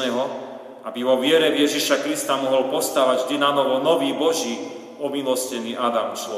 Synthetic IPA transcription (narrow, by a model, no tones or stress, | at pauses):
ɛɦɔ | ʔabiʋɔʋɪɛɾɛvjɛʒiʃakɾist̪amɔɦɔlpɔst̪aːʋaɟvd̪inanɔʋɔnɔʋiːbɔʒiː | ɔmilɔscɛniːʔad̪amslɔ